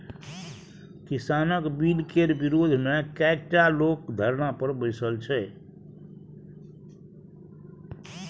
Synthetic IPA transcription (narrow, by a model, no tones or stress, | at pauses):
kisanəkbilkeɾbiɾod̪ʱmekɛk̚ʈalokd̪ʱəɾnapəɾbəɪsəlt͡ʃʰɛ